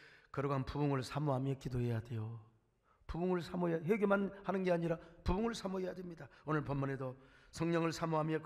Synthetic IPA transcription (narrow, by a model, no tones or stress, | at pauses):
kɯɾɡɦanpuuŋɯɭsʰamuɦamiek͈idohe̞jade̞jo | puuŋɯɭsʰamuɦejaɦeɡemanhanɯnɡe̞aɲiɾapubuŋɯɭsʰamuɦejadwemɲidaonɯɭpʌmːonedosʰʌŋɲʌŋɯɭsʰamuɦamiek